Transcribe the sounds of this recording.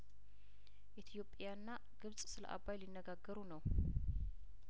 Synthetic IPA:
ʔet̪ʰijo̞pʼjanːa | ɡ̥ɨβsʼsɨlə̰ʔa̰βajlinːəɡaɡːəɾunəw

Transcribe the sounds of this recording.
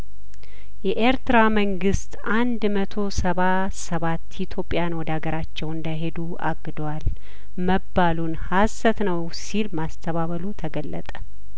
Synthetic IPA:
jɛʔeɾt̪ɨɾaməŋɡɨst̪ʔand̪mət̪ʰo̞səβa | səβat̪ːit̪ʰjo̞pʼːjanwɔd̪əaɡəɾat͡ʃːɛwɨnd̪əɦe̞d̪u | a̰ɡːɨd̪wal | məbːalunhasːət̪nəw | silmast̪ʰəβaβəlut̪ʰəɡəlːət̪ʼə

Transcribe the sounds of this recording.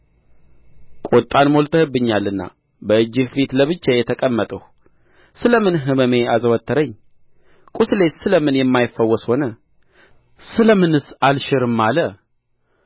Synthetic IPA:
kʼot̪ʼːanmolt̪ʰəhɨbːɨɲːalɨnːa̰ | bəɨd͡ʒːɨhfit̪ləβɨt͡ʃːajɛt̪ʰəkʼəmːət̪ʼəh | sɨləmɨnɦɨməme̞azəwət̪ʰːəɾəɲː | kʼuslesɨləmɨnjɛmːajɪfːəwːɔsho̞nə | sɨləmɨnɨsalʃɪɾɨmːalə

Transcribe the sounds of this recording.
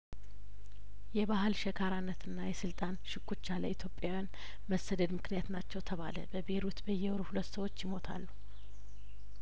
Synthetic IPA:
jɛbaɦɨlʃɛkʰaɾanːət̪ɨnːajɛsɨlt̪ʼanʃɪkʰʷʼːut͡ʃːalə̰it̪ʰjo̞pʼjawjan | məsːəd̪əd̪mɨknijat̪nat͡ʃːɛwt̪ʰəβalə̰bəbeɾut̪bəjːɛwɾuhulət̪ːsəwo̞t͡ʃːjɪmo̞t̪ʰa̰lːu

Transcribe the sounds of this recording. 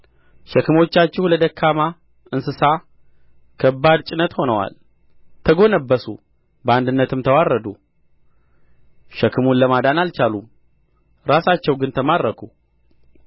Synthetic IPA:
ʃɛkɨmo̞t͡ʃːat͡ʃːɛhuləd̪əkʰːama | ʔɨnsɨsa | kʰəbːad̪t͡ʃʼɪnət̪ho̞nəwa̰l | t̪ʰəɡo̞nəbːəsṵ | bəand̪ɨnːət̪ʰɨmt̪ʰəwarəd̪u | ʃəkʰːɨmunləmad̪analt͡ʃalum | ɾasat͡ʃːɛwɡɨnt̪ʰəmaɾɾəkʰu

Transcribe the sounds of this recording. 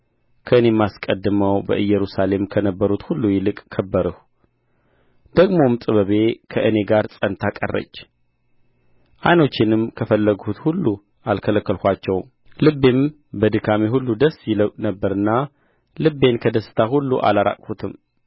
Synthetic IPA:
kʰəɨne̞mːaskʼəd̪ːɨməwbə̰ʔɨjːɛɾusale̞mkʰənəbːəɾut̪hulːujɪlɨkʼkʰːəbːəɾɨh | d̪̥əɡmo̞mt̪ʼɨβəβe̞kʰəʔɨne̞ɡaɾsʼənt̪ʰakʼərːə̰t͡ʃː | ʔajno̞t͡ʃːɪnɨmkʰəfəlːəɡhut̪hulːu | ʔalkʰələkːəlkʷat͡ʃːɛw | lɨbːem | bəd̪ɨkʰameɦulːud̪əsːjɪlnəbːəɾɨnːa | lɨbːe̞nkʰəd̪əsːɨ̥t̪ʰaɦulːuʔa̰laɾa̰kʼhut̪ʰɨm

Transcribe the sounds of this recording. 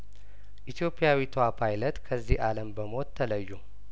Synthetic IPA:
ʔit̪ʰjo̞pʰʼːijawit̪ʰəwapʰajlət̪kʰəzːihʔaləmbəmo̞t̪ʰːələjːu

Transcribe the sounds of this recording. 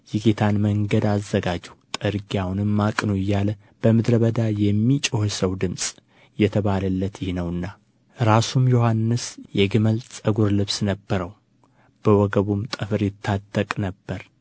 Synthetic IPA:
jɪɡet̪ʰanməŋɡəd̪azːəɡad͡ʒɛt̪ʼɨɾɡiawunɨmːakʼnujːalə | b̥əmɨd̪ɾəβəd̪ajɛmːit͡ʃʼohsəwd̪ɨmsʼ | jɛt̪ʰəβaləlːət̪jɪhnəwɨnːa | ɾasumjohanːɨsjɛɡɨməlsʼəɡuɾlɨβsnəbːəɾəw | b̥əwɔɡəβumt̪ʼɨfɨɾjɪt̪ʰːad̪əkʼnəbːəɾ

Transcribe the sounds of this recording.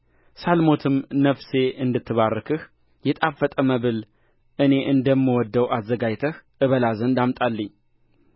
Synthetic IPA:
salmo̞t̪ʰɨmnəfse̞ʔɨnd̪ɨt̪ʰːɨβarːɨkʰɨh | jɛt̪ʼafət̪ʼəməβɨl | ʔɨne̞ʔɨnd̪əmːɨwɔd̪ːəwazːəɡajt̪ʰəhʔɨβəlazənd̪amt̪ʼalːəɲː

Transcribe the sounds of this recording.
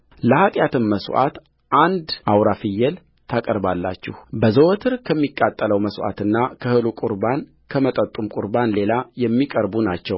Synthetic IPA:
ləhak̪ʼjat̪ɨnməsʔa̰t̪ | ʔand̪ʔawɾafɨjːɛl | t̪ʰakʼəɾbalːa̰t͡ʃːɪhbəzəwɔt̪ʰɨɾkʰəmːikʼːat̪ʼːələwməsʔa̰t̪ɨnːakʰəhɨlukʼuɾban | kʰəmət̪ʼət̪ʼːumkʼuɾbanle̞lajɛmːikʼəɾbunat͡ʃːɛw

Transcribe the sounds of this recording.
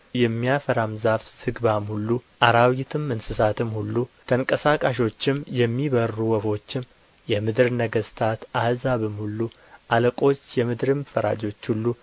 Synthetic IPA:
jɛmːijafəɾamzafsɨɡbamhulːuʔaɾawɪt̪ʰɨmɨnsɨsat̪ɨmhulːut̪ʰəŋkʼəsakʼaʃ̬o̞t͡ʃːɪmjɛmːiβərːuwəfo̞t͡ʃːɪm | jɛmɨd̪ɨɾnəɡəst̪ʰat̪ahzaβɨmhulːu | ʔaləkʼo̞t͡ʃːjɛmɨd̪ɾɨmfəɾa̰d͡ʒo̞t͡ʃːhulːu

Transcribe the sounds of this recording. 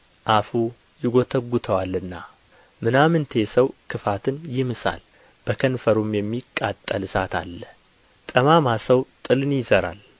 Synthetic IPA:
ʔafu | jɪɡo̞t̪ʰəɡːut̪ʰəwalːɨnːa | mɨnamɨnt̪ʰe̞səwkʰɨfat̪ʰɨnjɪmɨsa̰l | b̥əkʰənfəɾumjɛmːikʼːat̪ʼːəlɨsat̪ʰa̰lːə | t̪ʼəmamasəwt̪ʼɨlɨnjɪzəɾa̰l

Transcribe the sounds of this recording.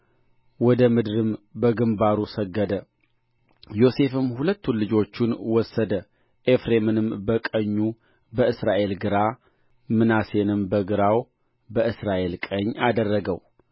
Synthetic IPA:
wɔd̪əmɨd̪ɾɨmbəɡɨmbaɾusəɡːəd̪ə | jo̞se̞fɨmːhulət̪ʰːunlɨd͡ʒo̞t͡ʃːunwɔsːəd̪ə | ʔefɾe̞mɨnɨmbəkʼəɲːu | bəɨsɾaʔe̞lɡɨɾa | mɨnase̞nɨmbəɡɨɾaw | bəʔɨsɾaʔe̞lkʼəɲːad̪ərːəɡəw

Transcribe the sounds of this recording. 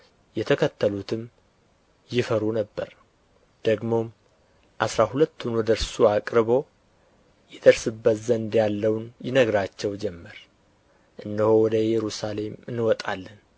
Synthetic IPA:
jɛt̪ʰəkʰət̪ʰːəlut̪ʰɨm | jɪfəɾunəbːəɾ | d̪̥əɡmo̞m | ʔasɾaɦulət̪ːunwɔd̪əɾsuakʼɾɨbo̞ | jɛd̪əɾsɨbːət̪zənd̪jalːəwnjɪnəɡɾat͡ʃːɛwd͡ʒɛmːəɾ | ʔɨnːɨhowɔd̪əjɛɾusale̞mɨnːɨwɔt̪ʼalːən

